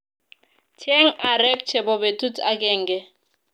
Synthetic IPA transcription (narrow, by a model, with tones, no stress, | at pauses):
tʰe˦ŋ̩˦a˨ɾɛ˦k̚t͡ʃʰɛ˨bɔ˨be˨tʼu˦tʰʼa˦kʼɛ˦˨ŋ̩˨ɡɛ˦